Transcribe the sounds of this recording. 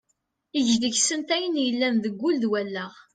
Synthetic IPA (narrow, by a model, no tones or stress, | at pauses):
iʝd̪əçsənt̪æjənjəlːænðəɡʷːʊlðwælːæʁ